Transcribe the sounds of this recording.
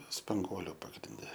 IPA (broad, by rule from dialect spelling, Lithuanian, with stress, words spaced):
spɐŋˈɡuɔlʲʊ pɐɡrʲɪnʲˈdʲɛ